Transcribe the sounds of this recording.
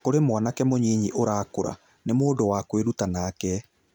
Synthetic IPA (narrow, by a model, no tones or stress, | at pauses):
koɾemwanakɛmoɲiːɲiʔoɾaːkoɾa̰ | nemoːdowakweɾutanaːkɛ